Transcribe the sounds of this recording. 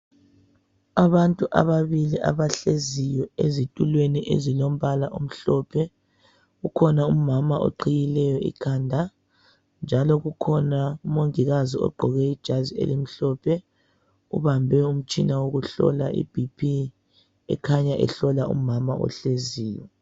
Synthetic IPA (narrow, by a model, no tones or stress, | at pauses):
aβantʼuʔa̰βaβiliʔa̰βaɬezijɔezitʼulweniʔḛzilom̩βalaʔum̩ɬɔpʰɛ | ɣukʰɔnaumamaʔo̰ǃʰijilɛjɔḭkʰandʱa | nd͡ʒʱalɔɣukʰɔnaumoŋiɣaziɔ̰ɡ͡ǃʱɔɣɛid̥ʒ̥ʱaziḛlim̩ɬɔpʰɛ | ṵβambʱɛum̩t͡ʃʼinawoɣuɬɔ̰la̰ʔḭb̥ʱipʰi | ɛ̰kʰaɲaʔɛ̰ɬɔlaṵmamaɔ̰ɬeziːjɔ